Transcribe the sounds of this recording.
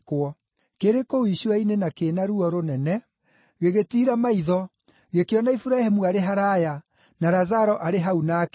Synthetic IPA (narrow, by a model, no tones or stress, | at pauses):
kwɔ | keɾekoiʃwainenakenaɾuɔɾonɛnɛ | ɣeɣetiːɾamaiðɔ | ɣekeɔnaifuɾaɛhemuaɾeɦaɾaja | naɾazaɾɔʔaɾeɦaunaːk